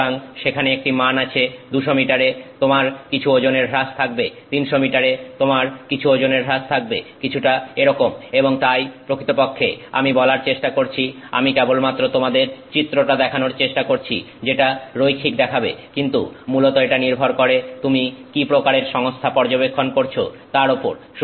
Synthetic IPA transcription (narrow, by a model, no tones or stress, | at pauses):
aŋʃekʰaneek̚ʈimanat͡ɕʰed̪uʃomiʈaɾet̪omaɾkit͡ɕʰuod͡ʑoneɾɾast̪ʰak̚bet̪inʃomiʈaɾet̪omaɾkit͡ɕʰuod͡ʑoneɾɾast̪ʰak̚bekit͡ɕʰuʈaeɾɔkomeboŋt̪ajpɾokʰit̪opokʰːea̰mibɔlaɾt͡ɕeʃʈakoɾt͡ɕʰi | a̰mikɛbolmat̪ːɾot̪omad̪eɾt͡ɕit̪ːɾoʈad̪ɛkʰanoɾt͡ɕeʃʈakoɾt͡ɕʰḭ | d͡ʑeʈaɾojkʰikd̪ɛkʰabḛkint̪ṵmulot̪oeʈaniɾbʱoɾkoɾet̪umikipɾokaɾeɾʃɔŋst̪ʰapɔɾd͡ʑobekʰːonkoɾt͡ɕʰo | t̪aɾopoɾ | ʃ